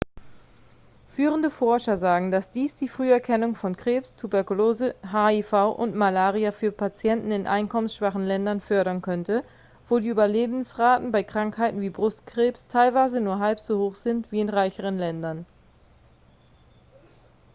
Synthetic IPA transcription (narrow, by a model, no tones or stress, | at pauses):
fyːʁəndəfɔɐʃɐzaːɡŋ̩dasd̥iːsd̥iːfʁ̥yːɛɐkʰɛnʊŋfɔnkʁ̥eːpstʰubɛɐkuloːzəɦaːifaʊʔʊntmalaːʁiafyːɐpʰat͡sjɛntn̩ɪnʔa̰ɪnkʰɔmənsʃv̥aχn̩lɛndɐnfœɐɾɐnkʰœntə | voːdiːʔyːbɐleːbmn̩sʁaːtn̩baɪkʁ̥aŋkhaɪtn̩viːbʁʊstkʁ̥eːpstʰaɪlvaɪzənuːɐɦalpz̥oːhoːxz̥ɪntv̥iːɪnʁaɪçəʁ̞ənlɛndɐn